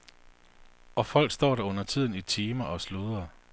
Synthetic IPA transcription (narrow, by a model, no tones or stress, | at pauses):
ʔɒ̽fɒ̽l̰ɡ̥sd̥ɒ̰ːɾæɔ̽n̰ɐt͡sʰið̞̰ˠn̩it͡sʰiːmɐʔɒ̽sluðˠɐ